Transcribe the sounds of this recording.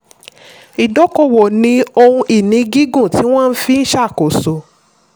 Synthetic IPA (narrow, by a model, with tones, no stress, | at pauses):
i˨dɔ˨˦kɔ˦˨wɔ˨nĩ˧o˧hũ˧ʔi˨nĩ˨˧ɡi˦ɡũ˦˨ti˨˦w̃ɔ̃˦n̩˦fi˦˧n̩˦ʃa˦˨ko˨so˨